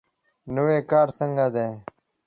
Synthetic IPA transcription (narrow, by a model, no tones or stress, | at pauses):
nuweːkaːɾsəŋɡad̪eː